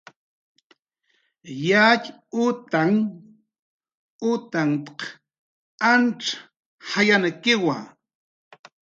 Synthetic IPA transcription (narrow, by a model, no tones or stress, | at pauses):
jacʲ | ʊt̪aŋ | ʊt̪aŋt̪q | anʈ͡ʂḁ | hajanakɪwa̰